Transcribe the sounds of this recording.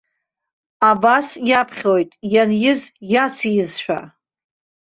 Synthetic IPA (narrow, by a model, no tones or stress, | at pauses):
abasjapʰχʲojtʼjanjɪzjat͡sʰijɪzʃᶣa̰